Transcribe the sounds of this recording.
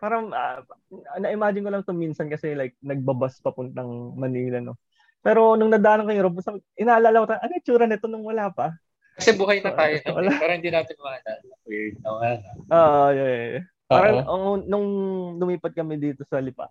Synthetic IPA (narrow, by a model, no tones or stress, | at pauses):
paːɾɐŋʔɐ̰ | nɐʔɪmaːd͡ʒɪnkolɐŋt̪ominsɐnkɐsɛlajk̚nɐɡ̚bɐbaspɐpʊnt̪ɐŋmɐniːlɐno̞ | pɛːɾo̞nʊŋnɐd̪aːʔnŋkɐɲɾobʊst̪ɐʔɪnaːlalɐwɐt̪aʔɐŋɐt͡ʃuːɾɐnɪt̪o̞nʊŋwɐlaːpɐ | kɐsɛbuːɦɐjnɐt̪aːjonowɐlapaːɾɐhɪnd̪iːnaːt̪ɪnmɐŋanɐɐkwid̪̚nɐwɐanɐʔoːʔojɛ | pːaːɾɐŋʔoʔonʊŋlʊmiːpɐd̪̚kɐmɛd̪iːt̪o̞sɐlɪpa̰